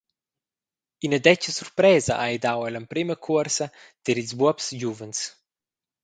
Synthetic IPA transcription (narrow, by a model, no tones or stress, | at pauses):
inəd̪ɛt͡ʃəsuɾpɾɛːzɐ̰ʔajd̪awɛləmpɾiməkʰuəɾsɐd̪̥ɛɾilzbuɔpsɟuvəns